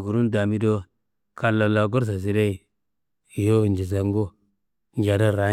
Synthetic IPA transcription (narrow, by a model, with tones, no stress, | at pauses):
ɡu˨ɾu˦nda˨mi˦do˦ | ka˨lːa˨la˨ɡo˦ɾs̬a˨s̬i˨ɾe˦i˨ | jo˦˨nd͡ʒi˨s̬a˨ŋɡo˦ | ŋ˦d͡ʒa˨da˦ɾa˨˦